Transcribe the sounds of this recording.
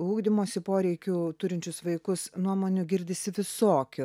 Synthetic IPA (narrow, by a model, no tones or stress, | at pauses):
uːɡd̪ʲɪmoːsʲɪpoːɾʲɛɪkʲut̪ʊɾʲɪnʲt͡ʃʲʊsʋɐɪkʊsnuɔmoːnʲʊɡʲɪɾʲd̪ʲɪsʲɪʋʲɪsoːkʲʊ